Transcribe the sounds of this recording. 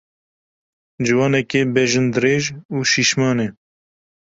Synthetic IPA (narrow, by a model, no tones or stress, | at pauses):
d͡ʒɨwɑːnɛkeːbɛʒɨnd̪ɨɾeːʒuːʃiʃmɑːne